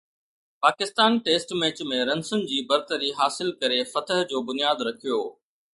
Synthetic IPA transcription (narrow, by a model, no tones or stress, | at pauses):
paːkɪst̪aːnʈeːsʈmeːt͡ɕmẽɾɐnsʊnɪ̆d͡ʑiːbɐɾt̪əɾiɦaːsɪlkɐɾefɐt̪əɦd͡ʑoːbʊnijaːd̪ɾɐkʰijo̰ː